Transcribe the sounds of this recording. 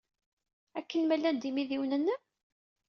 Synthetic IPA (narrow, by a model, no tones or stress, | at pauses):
ækːənmælːænd̪imiðiwnənːæ